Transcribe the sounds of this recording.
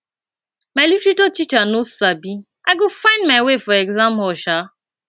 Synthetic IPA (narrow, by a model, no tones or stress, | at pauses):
maɪlutɾetotit͡ʃanosabi | aɪɡofãɪ̃ndmaɪwefɔɛɡzãmɔʃa